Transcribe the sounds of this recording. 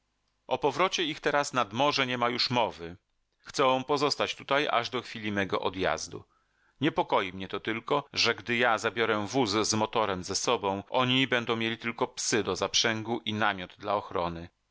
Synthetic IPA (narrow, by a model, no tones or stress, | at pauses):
ʔɔpɔvɾɔt͡ɕɛixt̪ɛɾasnad̪mɔʐɛɲɛmajuʂmɔvɘ | xt̪sɛ̃pɔzɔst̪at͡ɕt̪ut̪aja̰ʐd̪ɔxfʲilʲimɛɡɔʔɔd̪ja̰zd̪ṵ | ɲɛpɔkɔjimɲɛt̪ɔt̪ɘlkɔʐɛɡd̪ɘjazabʲjɔɾɛvuzzmɔt̪ɔɾɛmzɛsɔbɔ̃w̃ʔɔɲibɛnd̪ɔ̃w̃mʲjelʲit̪ɘlkɔpsɘd̪ɔzapʂɛŋɡuʔinamʲjɔd̪d̪laɔxɾɔnɘ